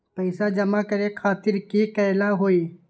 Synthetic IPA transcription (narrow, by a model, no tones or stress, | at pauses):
pəɪsad͡ʒɐmakɐɾekʰaːt̪ɪɾkikɐːlaɦoːiː